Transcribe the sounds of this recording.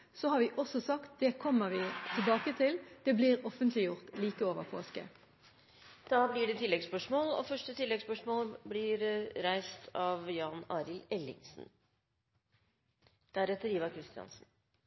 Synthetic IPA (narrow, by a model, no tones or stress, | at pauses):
sɔhɑːɾʋɪːʔɔsɔsɑkt̪̚d̪̥ɛkʰɔmːəʋiːt̪ʰɪlbɑːkət̪ʰɪld̪̥ɛbliːʁɔfənt̪ʰlɪjʊʁt̪liːkəoːʋəʁpʰo̰ːskə̰ | d̪̥ɑːblɪɖɛt̪ʰɪlːɛɡspœʂmoːlɔ̰fœʂʈət̪ʰɪlːɛɡspœʂmoːlblɪɾɾæɪst̪ʰɑʋjɑːnɑːɾɪlɛlːɪ̰ŋsn | d̪̥æɾɛt̪əɾjiːʋəkʰɾɪst̪ɪɑ̰nsn